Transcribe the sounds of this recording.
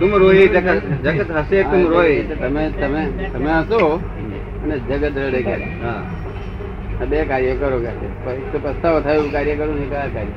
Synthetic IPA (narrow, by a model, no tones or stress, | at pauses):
t̪umɾoɦid͡ʒəkət̪d͡ʒəkət̪ɦəsetumɾoɦit̪əmet̪əmet̪əmeɦəso | əned͡ʒəɡət̪ɾəɽeka̰t͡ʃʰeɦa | abekaɾjəkəɾokasḛpəek̚t̪opɾəst̪aʋot̪ʰajoũkaɾjəkəɾũnikəakaɾjə